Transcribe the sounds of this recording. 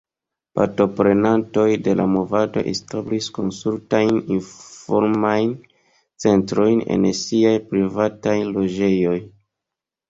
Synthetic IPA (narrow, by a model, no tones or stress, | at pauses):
pa̰ɾto̞pɾe̞nanto̞jde̞lamo̞vado̞̰ʔḛstablisko̞nsɾuɾtajninfo̞ɾmajn | t͡se̞ntɾo̞jnḛnsiajpɾivatajlo̞d͡ʒe̞jo̞j